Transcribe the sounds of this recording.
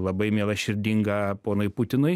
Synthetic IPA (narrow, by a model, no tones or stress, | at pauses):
lˠɐbɐɪmʲeːlˠɐʃʲɪɾʲd̪ʲiŋɡɐpoːnʊɪpʊt̪ʲɪnʊɪ